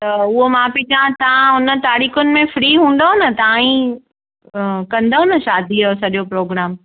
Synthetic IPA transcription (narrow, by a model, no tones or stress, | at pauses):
t̪ɐʊɦomãpɪd͡ʒãt̪ʰãʊnə̆t̪aːɾiːxʊnɪ̆mẽfɾiːɦũːn̆d̪aɦʊnɐt̪ɐãĩ | kɐ̃nd̪aɦʊ̃nɐʃaːd̪ʱiaosɐɗopɾoːɡɾaːm